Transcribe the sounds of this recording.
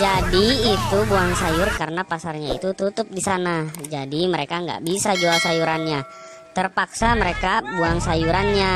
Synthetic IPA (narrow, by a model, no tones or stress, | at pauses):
d͡ʒadiːt̪ubuaŋsajʊrkaɾənapasarɲaḭt̪ut̪ut̪ʊp̚disanad͡ʒadiməɾekaŋɡa̰ʔbisad͡ʒuasajuɾanɲa | t̪ərpaksaməɾekabuaŋsajuɾanɲa